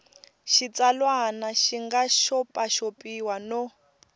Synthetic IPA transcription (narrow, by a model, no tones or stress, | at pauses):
ʃit͡sʼalwanaʃiŋɡaʃɔpʼaʃopʼiwanɔ